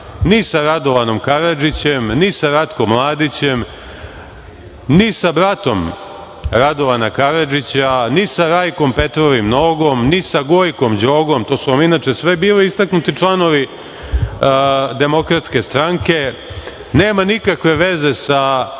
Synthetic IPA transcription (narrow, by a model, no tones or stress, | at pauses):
nisaɾad̪o̞ʋano̞mkaɾad͡ʒit͡ɕemnisaɾat̪ko̞mːlˠaːd̪it͡ɕem | nisabɾat̪o̞m | ɾad̪o̞ʋanakaɾad͡ʒit͡ɕanisaɾajko̞mpe̞t̪ɾoʋimno̞ːɡo̞mnisaɡojko̞md͡ʑoːɡo̞mt̪o̞ːsuaminaːt͡ʃesʋebiːliist̪aknut̪it͡ʂlˠano̞ʋi | d̪e̞mo̞kɾat̪ske̞st̪ɾaŋke̞ | neːmanikakʋe̞ʋe̞zesa